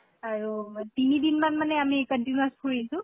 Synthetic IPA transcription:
aɹutinidinmanmanɛamikəntinuaspʰuɹisʊ̃

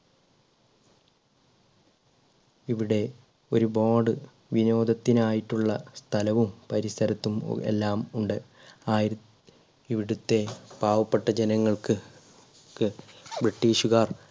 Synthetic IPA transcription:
iʋiɽe̞ | o̞ɾuboːɖɨ | ʋino̞ːd̪ʱɐt̪ːinaːjiʈːuɭːɐst̪ʰɐlɐʋumpɐɾisɐɾɐt̪ːum̰ḛlːaːmuɳɖɨ | aːj | iʋiɽut̪ːe̞b̥aːʋɐpːeʈːɐd͡ʑenɐŋːɐɭkɨ | kɨbriʈːiːɕuɣaːr

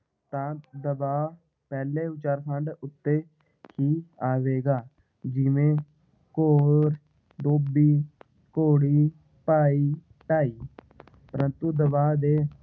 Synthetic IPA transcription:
t̪ãːd̪əbaː | pɛːleːʋɪt͡ʃaːɾkʰəɳɖʊt̪ːeː | kʰiːaːʋeːɡaː | d͡ʒɪʋẽː | koːɾ | d̪oːbiː | koːɽiː | paːiː | ʈaːiː | pəɾənt̪ũːd̪əbaːd̪eː

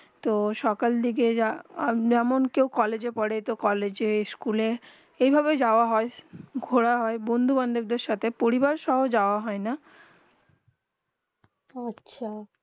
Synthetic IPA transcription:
t̪oʃɔkald̪ikead͡ʑɛmonkewkɔled͡ʑepɔɽet̪okɔled͡ʑeskule | ejbʱabed͡ʑaoaɦɔeɡʱoɽaɦɔebond̪ʱuband̪ʱok̚d̪eɾʃat̪ʰepoɾibaɾʃɔɦod͡ʑaoaɦɔena | atːɕʰa

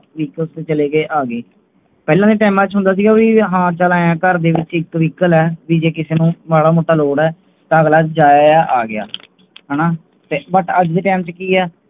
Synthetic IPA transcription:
ʋiːkəlst̪eːt͡ʃəleːɡeːʔaːɡeː | pɛːlãːd̪eːʈɛːmãːt͡ʃɦʊ̃nd̪aːs̬iːɡaːʋiɦãːt͡ʃəlaːjãːkəɾd̪eːʋɪt͡ʃɪkʋiːkəlɛːʋiːd͡ʒeːkɪseːnũːmaːɽaːmoːʈːaːloːɽɛː | t̪aːəɡlaːd͡ʒaːaːʔaːɡɪa̰ː | ɦɛːnaː | t̪eːbəʈəd͡ʒd̪eːʈɛːmt͡ʃkiːɛː

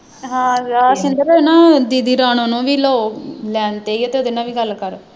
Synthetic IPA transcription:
ɦãːɾaːsɪnd̪əɾɛːnaːd̪iːd̪iːɾaːñõːnõːʋiːloːlɛːnt̪eːiːot̪eːoːd̪ɪnãːʋiːɡəlkəɾo

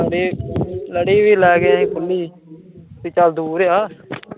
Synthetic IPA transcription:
ɽeːləɽeːʋiːlɛːɡaĩːkʊlːiː | t̪iːt͡ʃəld̪uːɾjaː

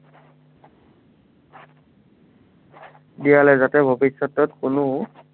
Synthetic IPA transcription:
dijalɛzatɛbʱobisːɔtɔtkʊnʊ

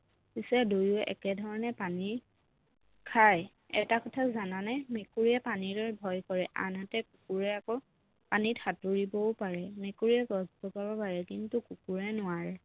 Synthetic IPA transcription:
pisɛdojuɛʔɛ̰kɛdʱɔɹɔnɛpani | kʰaj | ɛ̰takɔtʰazananɛmekuɹijɛpaniɹɔɹbʱɔjkɔɹɛʔa̰natɛkukuɹɛakɔ | panitʰatuɹibɔʊpaɹɛmekuɹijɛɡɔzbɔbabɔpaɹɛkintukukuɹɛnʊwaɹɛ

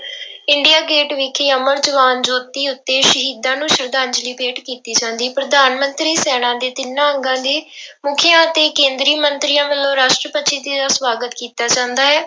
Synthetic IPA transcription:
ɪɳɖijaːɡeːʈʋɪkʰeːəməɾd͡ʒəʋaːnd͡ʒoːt̪iːʊt̪ːeːʃəɦiːd̪ãːnũːʃəɾd̪ãːɲd͡ʒliːpeːʈkiːt̪iːt͡ʃãːnd̪iːpɾəd̪aːnmənt̪ɾiːsɛːɽ̃ãːd̪eːt̪ɪnãːəŋɡãːd̪iːmʊkʰɪjãːət̪eːkẽːnd̪ɾiːmənt̪ɾiːãːʋəlːõːɾaːʃʈɾəpət̪ːʃʰiːd̪iːd̪aːsʋaːɡət̪kiːt̪aːt͡ʃãːnd̪aːɦɛː

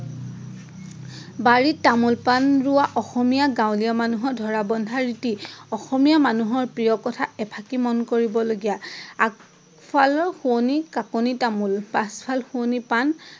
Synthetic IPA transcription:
baɹitamulpanɹʊwaʔɔxɔmijaɡãwlijamanuɦɔɹdʱɔɹabɔndʱaɹitiɔxɔmijamanuɦɔɹpɹijɔkɔtʰaɛpʰakimɔnkoɹibɔloɡijaak | fʰalɔxunikakonitamulpaspʰalxuonipan

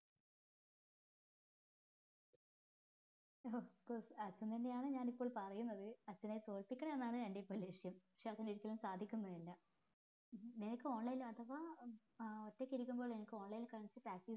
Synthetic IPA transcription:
oːkosɐt͡ɕːɐnt̪ɐnːe̞jaːɳɨɲaːnipːo̞ːɭpɐrɐjunːɐðɨɐt͡ɕːɐnet̪o̞ːɭpikʲːɐɳɐenːaːɳɨnɐndepːolːɐiʂjɐmpɐ̥kʂeɐt̪ɐniɾikʲːɐlumsaːd̪ʱikʲːunːɐðilːɐ | nenɐkʲːɨo̞ːɳlɐjlmɐt̪ʰːɐʋa | otːekːiɾikʲːumboːɭenɐkʲːɨo̞ːɳlɐjlkaːɳit͡ɕːɨpraːk̚ʈi

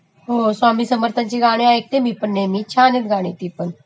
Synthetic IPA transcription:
ɦoːswaːmiːsəməɾt̪ʰənt͡ʃeɡaːɽ̃eaek̚t̪ebʱipənːeːmĩt͡ʃʰaːnenɡaːɽ̃et̪ipən

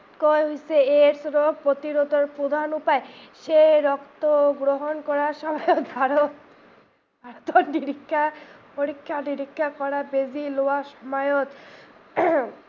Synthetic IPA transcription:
koeɦojseeɾsɾopɾot̪iɾot̪oɾpɾod̪ʱanupaeʃeɾɔkt̪oɡɾoɦonkɔɾaʃɔbʱaeobʱaɾot̪ | bʱaɾot̪oniɾikʰːapoɾikʰːaniɾikʰːakɔɾabed͡ʑiloaʃɔmajot̪

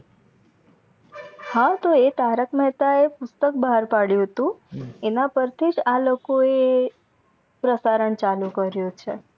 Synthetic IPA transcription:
hãt̪oet̪aɾəkmɛɦt̪aepʊst̪ək̚baɦaɾpaɽjũɦət̪ũenapəɾt̪ʰid͡ʒalokoe | pɾəsaɾəɳt͡ʃalũkəɾjõt͡ʃʰe

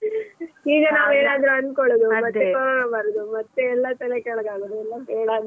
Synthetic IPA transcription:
iːɡɐnaːʋeːnaːd̪ɾuɐnd̪koɭod̪umɐt̪ːekɔɾonɐbɐɾɐd̪umɐt̪ːeɛlːɐt̪ɐlekɛɭɐɡaːɡɐd̪uɛlːɐɦeːɽaːd̪

